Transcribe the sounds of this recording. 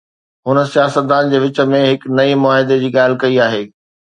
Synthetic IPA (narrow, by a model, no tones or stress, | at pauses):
ɦʊnə̆sijaːsət̪̚d̪aːnd͡ʑeːʋɪt͡ɕə̆mẽɦɪknɐimʊaːɦɪd̪ed͡ʑiːɠaːl̤ɪkɐiaːɦeː